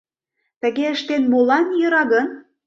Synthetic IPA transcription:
t̪ə̆ɣeəʃt̪enmolɑnjɤ̆ɾɑɣən

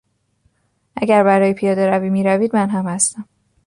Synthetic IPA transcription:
ʔæɟæɾbæɾɒːjepʰijɒːd̪eɾæviːmiːɾæviːd̪mænɦæmhæst̪æm

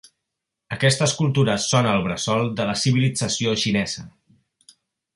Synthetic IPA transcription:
əkɛst̪əːskulˠt̪uɾəsonəːlˠβɾəsɔlˠd̪ələsiβ̞ilid͡zəsioʃinɛz̥ə

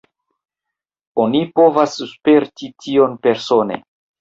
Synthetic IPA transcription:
onipo̞vasspeɾtitʰio̞npe̞ɾso̞ne̞̰

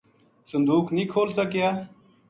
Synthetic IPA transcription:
sʊnd̪uːknĩːkʰoːlsəkjaː

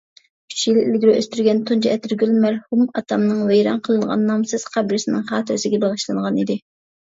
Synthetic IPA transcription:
kʲʰy̥t͡ʃjilɪlɡʲiɾyøst̪yɾɡʲɛnt̪ʰont͡ʃʰɑɛt̪ɪɾɡʲylmæɾhumɑt̪ʰɑmnɨŋvɛjɾɑ̰nqʰəlˠɨɴʁɑ̰nːɑmsɨz̥qʰɑbɾɪsɪnɪŋχɑːt̪ʰøzɪɡʲɛbɑʁəʃlˠɨnʁɑnid̪ɪ

